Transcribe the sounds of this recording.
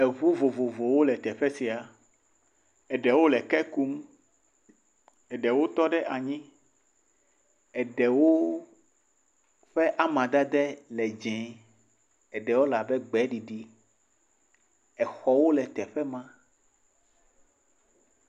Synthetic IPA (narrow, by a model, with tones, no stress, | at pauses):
ɛ˨βu˦vo˨vo˨vo˨wo˦lɛ˨t̪ɛ˨ɸɛ˦si˨a˨ | ɛ˨ɖɛ˨wo˦lɛ˨kɛ˦ku˦m | ɛ˨ɖɛ˨wo˦t̪ɔ˦ɖɛ˦ʔa˨ɲĩ˦ | ɛ˨ɖɛ˨wo˦ | ɸɛ˦ʔa˦mã˨d̪a˦d̪ɛ˦lɛ˨d͡ʒɛ̃˨ | ɛ˨ɖɛ˨wo˦la˨bɛ˦ɡ͡bɛ˦ɖi˨ɖi˦ | ɛ˨xɔ˦wo˦lɛ˨t̪ɛ˨ɸɛ˦mã˦